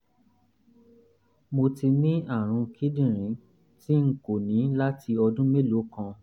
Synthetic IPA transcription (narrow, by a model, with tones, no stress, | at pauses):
mo˧ti˧nĩ˦ʔa˦˨ɾ̃ũ˧kʰi˦dĩ˦˨ɾ̃ĩ˨˦ | ti˦ŋ̩˦ko˨nĩ˨˦la˦ti˧ɔ˧dũ˦me˦lo˨˦kã˧